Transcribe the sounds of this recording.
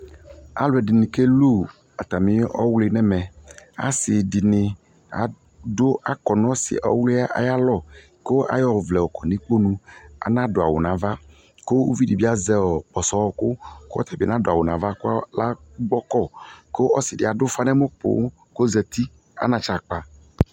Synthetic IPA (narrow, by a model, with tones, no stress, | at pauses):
a̰˨lʊ˨ɛ˨dɪ˨nɪ̃˨ke˦lu˦˨ | a˨t̪a˨mĩ˨˦ɔ̰˦wlɪ˨nɛ˦mɛ̃˨a̰˨sɪ˨dɪ˨nɪ̃˨ | a̰˨ | do˦a˨kɔ˨nɔ̃˦sɪ̰˨ʔɔ˦wli˦a˦ʔa̰˨ja˦lɔ˦˨ | ko˦a̰˦jɔ˦vlɛ˨wɔ˨kɔ˨nĩ˦k͡po˦nũ˦a̰˨nã˦do˨a̰˨wo˨nã˨va˦ | ko˦wṵ˦vi˦di˨bi˦a˦zɛ˦wɔ˨k͡pɔ˨sɔ˨˦wɔ˦ko˦ko˦ɔ˦t̪ʰɛ˨bnã˦do˨a˨wo˨nã˨va˦ko˦la˦ | ɡ͡bɔ˦kɔ˦˨ko˦ɔ˦si˨dɪ˨a˨do˦fa˦nɛ˦me˦po̰˨˦ | ko˦zɛ˨t̪i˦ | a̰˨˦nã˨t͡ʃa˨k͡pa˨